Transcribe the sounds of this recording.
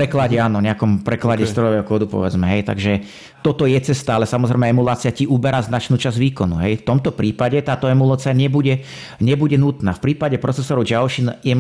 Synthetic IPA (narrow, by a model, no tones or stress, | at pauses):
ɾɛklaɟɛaːnɔɲɛakɔmpɾɛklaɟɛst̪ɾɔjɔʋɛːɦɔkʊɔːd̪upɔ̰ʋɛd͡zmɛɦɛjt̪a̰ɡʒɛ | t̪ɔt̪ɔjɛt͡sɛst̪aalɛsamɔzɾɛɪmɛɛmulaːt͡sɪaciʔubɛɾaznat͡ʃnuːt͡ʃazʋiːkɔnṵɦɛjft̪ɔmt̪ɔpɾiːpaɟɛt̪aːt̪ɔɛmulaːt͡siaɲɛbuɟɛ | ɲɛbuɟɛnut̪naːfpɾiːpaɟɛpɾɔt͡sɛsɔɾɔʊd͡ʒaʊʃinjɛ